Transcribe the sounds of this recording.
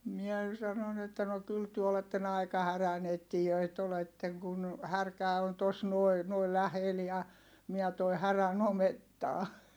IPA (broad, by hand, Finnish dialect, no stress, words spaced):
miɛ sɑnon etːæ no kyl tyø oletːen ɑi̯kɑ hærænetːijøit oletːeŋ kun hærkæˑ on tos nuoi̯ nuoi læhel jɑ miæ toi hæræn ometːɑː